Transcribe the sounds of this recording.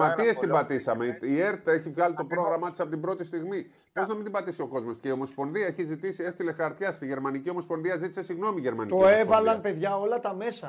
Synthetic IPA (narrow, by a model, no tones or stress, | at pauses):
mɐt̪ie̞st̪imbɐt̪isɐme̞ie̞ɾt̪e̞çivɣɐlit̪o̞pɾo̞ɣɾɐmɐt̪isɐpo̞t̪ibɾo̞t̪ist̪iɣmi | po̞znɐmind̪imbɐt̪isio̞ko̞zmo̞sce̞io̞mo̞spo̞nðiɐeçizit̪isie̞st̪ilexɐɾt̪çɐsiʝe̞ɾmɐniciomo̞spo̞nðiɐzit̪i̥se̞siɣno̞miʝe̞ɾmɐnit̪oe̞vɐlɐmpe̞ðʝɐo̞lɐt̪ɐme̞sɐ